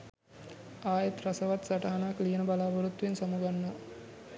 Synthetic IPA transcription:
aːjet̪rasəʋat̪saʈaɦanaːklijənəbalaːbɐɾut̪ːuʋensamuɡanːə

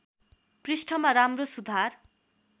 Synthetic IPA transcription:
prisʈʰʌmaɾamrosud̪ʱar

